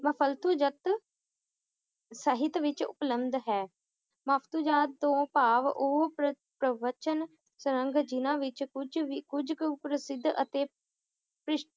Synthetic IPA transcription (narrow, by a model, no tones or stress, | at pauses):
məpʰəlt̪ʰuːd͡ʒət̪ | səɦɪt̪ʋɪt͡ʃʊ̰pləmd̪ɦɛː | məpʰt̪uːd͡ʒaːd̪̚t̪õːpaːʋoːə | pɾəʋət͡ʃən | səɾəŋɡd͡ʒɪnãːʋɪt͡ʃd͡ʒikʊd͡ʒkpɾəsɪd̪ʱːʔə̰t̪eː | pɾɪʃ